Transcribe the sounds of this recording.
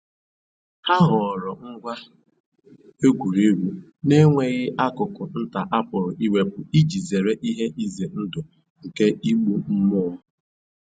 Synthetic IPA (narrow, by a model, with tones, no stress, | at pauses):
ha˦ɦʊ˨ɔ˨ɾɔ˨ŋ̩˦ɡʷa˦ | e˦ɡʷu˨ɾe˦ɾu˦ | ne˦ŋʷe˨ɣɪ˦ʔa˦kʊ˨kʊ˨n̩˦ta˨ʔa˦pʊ˨ɾʊ˨ʔi˦we˦pʊ˨i˦d͡ʒi˨ze˨ɾe˦ʔi˦ɦe˦ʔi˦ze˨n̩˦dʊ˨ | ŋ̩˨ke˦ʔi˦ɡ͡bu˦m̩˦mʊ˦ɔ˦